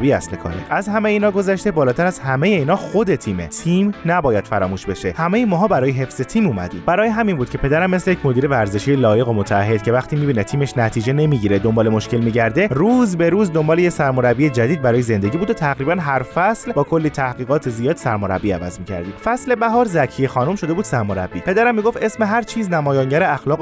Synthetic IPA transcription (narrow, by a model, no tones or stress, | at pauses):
biːæsle̞kʰɒ̰ːɾḛʔæzhæmejeiːnɒːɡo̞zæʃt̪e̞bɒːlɒːt̪ʰæɾæz̥hæme̞jeiːnɒːxo̞d̪e̞t̪ʰiːme̞̰t̪ʰiːmnæbɒːjæd̪̥fæɾɒːmuːʃbe̞ʃe̞hæmejemɒːɦɒːbæɾɒːjeɦe̞fz̥e̞t̪ʰiːmuːmæ̰d̪iːb̥æɾɒːjeɦæminbuːd̪̥cʰe̞pʰe̞d̪æɾæmːeslejecʰmo̞d̪iːɾe̞væɾze̞ʃijelɒːje̞ɣo̞mot̪ʰææhɦːe̞d̪̥̚cʰe̞væxt̪ʰiːmiːbiːnet̪ʰiːme̞ʃnæt̪ʰiːd͡ʒe̞ne̞miːɟiːɾed̪o̞mbɒːle̞mo̞ʃce̞lmiːɟæɾd̪e̞ruːzbe̞ɾuːzd̪o̞mbɒːlejesæɾmo̞ɾæbie̞d͡ʒæd̪iːd̪̚bæɾɒːjeze̞nd̪e̞ɟiːbuːd̪ot̪ʰæɣɾiːbænɦæɾfæslbɒːkʰo̞lːiːt̪ʰæhɡiːɣɒːt̪ʰezijɒːd̪̥sæɾmo̞ɾæ̰bːiævæ̰zmiːcʰæ̰ɾd̪iːfæsle̞bæɦɒːɾzæcʰijexɒːnumʃo̞d̪e̞buːd̪̥sæɾmo̞ɾæ̰bːiːpʰe̞d̪æɾæmːiːɡo̞ft̪e̞smeɦæɾt͡ʃʰiːznæmɒːjɒːŋɟæɾeæxlɒːɣ